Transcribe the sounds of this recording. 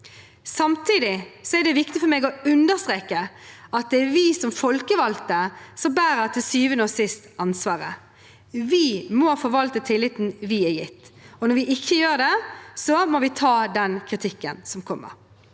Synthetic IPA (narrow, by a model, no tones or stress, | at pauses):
sɑmt̪ʰiːd̪ɪsɔæɖ̪ɛʋɪkt̪ɪfɔɾmeːɡɔʉnd̪əst̪ʁeːkːəɑt̪̚d̪ɛʋɪsɔmfɔlkəʋɑlt̪əsɔbæːɾəɾt̪ʰɪlsyːʋənoːsɪst̪ɑnsʋɑːʁə | ʋɪmɔfɔɾʋɑlt̪ət̪ʰɪlːɪt̪n̩ʋɪɛjɪt̪ːɔnɔɾʋɪʔɪçːəjøːɾɖ̪ɛsɔmɔʋɪt̪ʰɑːd̪ɛnkʰʁɪt̪ʰɪkːənsɔmkʰɔmːə̰ɾ